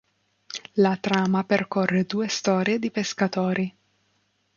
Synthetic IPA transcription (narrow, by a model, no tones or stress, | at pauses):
lat̪ɾaːmaperkɔrːed̪uːest̪ɔːɾjed̪ipeskat̪oːɾi